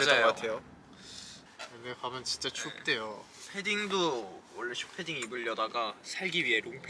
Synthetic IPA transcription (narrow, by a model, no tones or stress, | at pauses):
d͡ʑkatʰejo | ɯnepamɯnt͡ɕint͡ɕ͈at͡ɕʰup̚t͈e̞jo | pʰe̞diŋdowʌɭːeɕʰu̥pʰediŋibɯʎːʌdaɡasʰaɭɡiɥiɦe̞ɾoŋpʰ